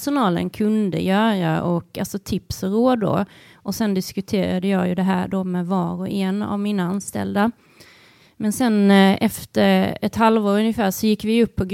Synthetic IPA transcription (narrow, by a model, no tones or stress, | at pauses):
ʂʊnɑːlə̰nkʰɵnd̪ə̰jœːɾaʔɔkalsɔt̪ʰɪpsɔɾoːd̪o̰ʔɔsɛnd̪ɪskɵt̪ʰeːɾad̪əjɑːjɵd̪ɛɦæːɖomɛvɑːɾɔʔɛna̰vmiːnaanst̪ɛ̰ld̪a | mɛnsɛnʔɛft̪əɾɛt̪halvoːɾɵnjɪfæːʂɔjɪkːvɪɵpʰːɔɡ